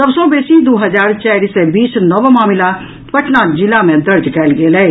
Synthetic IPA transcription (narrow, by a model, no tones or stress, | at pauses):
sɐbsɔbeːsid̪oːɦɐzaːɾt͡ʃaːɾisebiːsnəʋmaːmɪla | pɐʈʰnad͡ʒɪlamẽd̪ɐɾd͡ʒkɛːlɡeːle